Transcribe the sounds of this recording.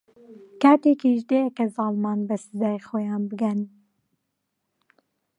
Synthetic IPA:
kɑːt̪ekiʒd̪eːjɛkɛzɑːlmɑːnbɛsɨzɑːjxojɑːnbɨɡɛn

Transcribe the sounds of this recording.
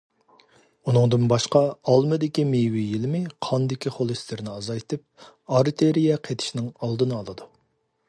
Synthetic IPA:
unɨŋd̪ɨnbɑʃqɑɑlˠmɨd̪ɪkʲimewijilɪmɪqʰɑnd̪ɪkʲiχolˠɨst̪ɪɾnɪɑzɑjt̪ʰɨp̚ | ɑɾt̪ʰeɾijɛqʰet̪ʰɪ̥ʃnɪŋɑlˠd̪ɨnɨɑlˠɨd̪u

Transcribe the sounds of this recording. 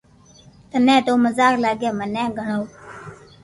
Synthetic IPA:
t̪ənɛ̃ːt̪oːməzaːklaːɡeːmənɛ̃ːɡʱəɳoː

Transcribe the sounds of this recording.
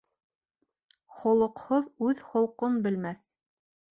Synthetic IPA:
χŏlˠɤ̆qhoðʉðχŏlˠqonbɘ̆lmæθ

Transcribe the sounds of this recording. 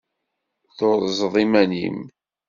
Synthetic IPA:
θoɾˤzˤðˤimænḭm

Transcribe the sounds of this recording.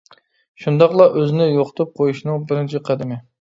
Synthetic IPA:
ʃund̪ɑqlˠɑʔøzɪnɪjoqʰʊ̥t̪ʰup̚qʰojuʃnɨŋbɪɾɪnt͡ʃʰiqʰæd̪ɪmɪ

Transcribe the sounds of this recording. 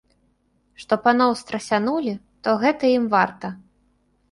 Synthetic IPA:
ʂt̪ɔpanɔwst̪ɾɐsʲanulʲi | t̪ɔɣɛt̪ɐjimvart̪ɐ

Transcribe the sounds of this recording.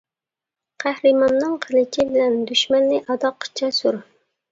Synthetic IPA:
qʰæhɾɨmɑnːɨŋqʰəlɪt͡ʃʲʰɪbɪlɛnd̪yʃmɛnːɪʔɑd̪ɑqːt͡ʃʰɑsuɾ

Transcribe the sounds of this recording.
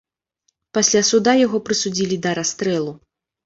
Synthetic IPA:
pasʲlʲasud̪ajaɣɔpɾɨsud͡zʲilʲid̪ɐɾast̪ɾɛlˠu

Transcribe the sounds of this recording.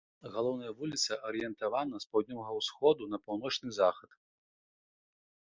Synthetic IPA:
ɣalˠɔwnɐjɐvulʲit̪sɐʔɐɾɨjɛnt̪avanɐspawd̪ʲnʲɔvɐɣɐwsxɔd̪unɐpawnɔt͡ʂnɨzaxɐt̪

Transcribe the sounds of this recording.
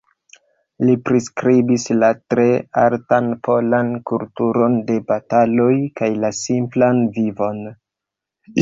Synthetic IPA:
lipɾiskɾibislatɾe̞aɾtanpʰo̞lankultuɾo̞nde̞batalo̞jkajlasimplanvivo̞n

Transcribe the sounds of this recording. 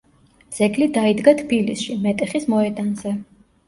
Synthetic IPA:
d̪z̥ɛɡlid̪aid̪ɡat̪ʰbilisʃimɛt̪ʼɛχismɔɛd̪ʼanzɛ

